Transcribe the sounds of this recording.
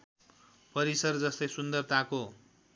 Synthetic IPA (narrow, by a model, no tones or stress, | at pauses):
pʌɾisʌrd͡zʌst̪ʌjsund̪ʌrt̪ako